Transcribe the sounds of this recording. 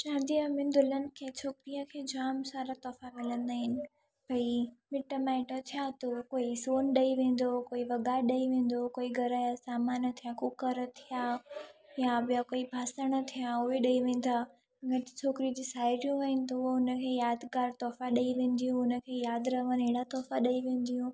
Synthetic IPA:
t͡ɕãːnd̪iəmɪnd̪ʊlənɪ̆kʰeːt͡ɕʰoːkɾiə̃kʰeːd͡ʑaːmsaːɾat̪ɔːfãmɪlə̃nd̪aːɦɪnɪ̆ | b̥ʱɐimɪʈəmaɪʈət̪ʰijat̪okoːisoːnɗɐiʋẽːn̆d̪okoːiʋɐɡaːɗɐiʋẽːn̆d̪okoːiɡʱɐɾəsaːmaːnət̪ʰijakʊkəɾt̪ʰijaːjabɪjakoːibʱaːsəɽ̃ət̪ʰijãʊɦeɗɐiʋẽːn̆d̪aː | ɡət͡ɕʰoːkɾid͡ʑiːsaːɪɾijũʋɐɪnɪ̆t̪ɐoʊnəkʰeːjaːd̪kaːɾt̪ɔːfãɗɐiʋẽːn̆d̪ijũʊnə̆kʰeːjaːd̪ɾɐʋəneɦɽat̪ɔːfãɗɐiʋẽːn̆d̪ijũ

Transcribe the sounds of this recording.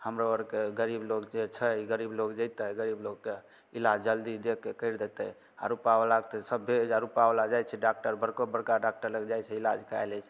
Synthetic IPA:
həmɾoəɾkeɡəɾiblokd͡ʒet͡ʃʰəɡəɾiblokd͡ʒəjt̪əɡəɾiblok̚ke | ilad͡ʒd͡ʒəld̪id̪ekːekəjɾd̪et̪ə̰ | a̰ɾupaʋlakt̪səbʱːed͡ʒaɾupaʋlad͡ʒajt͡ʃʰɛɖak̚ʈəɾbəɾkobəɾkaɖak̚ʈəɾləɡd͡ʒajt͡ʃʰɛilad͡ʒkʰa̰jlɛt͡ʃʰɛ

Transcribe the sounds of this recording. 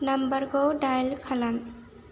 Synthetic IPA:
nambaɹɡowɖajlkʰalan

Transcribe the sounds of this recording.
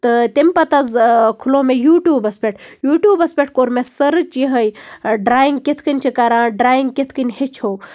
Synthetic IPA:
t̪ɨt̪ʲemʲpɐt̪ɐzkʰuloːmejuːʈjuːbɐspʲeʈ̚ʰjuːʈjuːbɐspʲeʈ̚ʰkoɾmesəɾt͡ʃiɦəjɖɾaːjiŋɡket̪ʰkɨnʲt͡ʃʰikaɾãːɖɾaːjiŋɡkʲet̪ʰkɨnʲhet͡ʃʰo

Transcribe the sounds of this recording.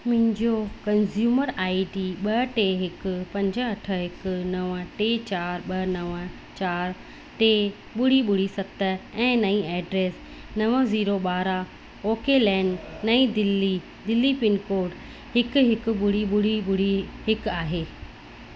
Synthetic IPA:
mʊ̃ɦɪ̃ɲd͡ʑokɐnzjuːməɾaːiʈiːɓɐʈeːɦɪkʊpɐ̃ɲd͡ʑə̆ɐʈʰə̆ɦɪkʊnɐʋəʈeːt͡ɕaːɾɓɐnɐʋə | t͡ɕaːɾ | ʈeː | ɓʊɽ̤iɓʊɽ̤isɐt̪əɛ̃ːnɐĩɛːɖɾeːs | nɐʋəziːɾoɓaːɾa | oːkelɛ̃ːɳɖnɐĩd̪ɪlːi | d̪ɪlːipɪnkoːɾɖ | hɪkʊɦɪkʊ̆ɓʊɽ̤iɓʊɽ̤iɓʊɽ̤iɦɪkaːɦeː

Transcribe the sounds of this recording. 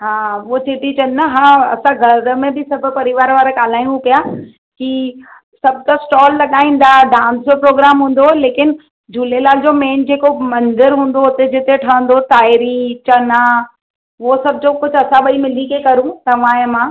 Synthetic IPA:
ɦãːʋot͡ɕɪʈit͡ɕɐ̃nnɐɦãːɐ̰sãɡʱɐɾmẽbɪsɐbʱʊ̆pɐɾɪʋaːɾʋaːɾaɠaːl̤aːj̃ũpijaː | ki | sɐbʱt̪asʈɔːlːɐɠaːĩːn̆d̪aːɖãːnsd͡ʑopɾoːɡɾaːmɦũːn̆d̪oleːkɪn | d͡ʑulelaːld͡ʑomẽːnd͡ʑeːkomɐ̃nd̪ɪɾɦũːnd̪oʊt̪ed͡ʑɪt̪eʈʰɐə̃nd̪ot̪aːɪɾit͡ɕɐna | ʋosɐbʱd͡ʑokʊd͡ʑʱɐsãɓɐimɪlikekɐɾũt̪ɐʋ̤aːjəmãː

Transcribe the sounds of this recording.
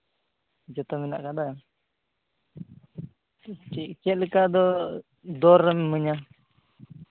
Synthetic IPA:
d͡ʒɔt̪ɔmina̰ʔkad̪a | ikɛʔ̪̚ləkad̪ɔ | d̪ɔɾːɛmɛməɲa

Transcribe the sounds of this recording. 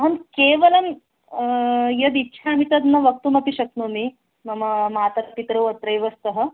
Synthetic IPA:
ɦɐnkeʋəlɐn | jɐd̪itːɕʰamit̪ɐd̪nɐʋɐk̚t̪umɐt̪iɕɐk̚nomi | mɐmamat̪ɐɾɐpit̪ɾɐwət̪ɾɐjʋɐst̪əɦə

